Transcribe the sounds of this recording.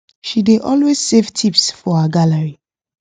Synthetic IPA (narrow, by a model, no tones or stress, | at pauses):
ʃideʔɔlwez̥sevtʰipsfɔhaɡaləɹi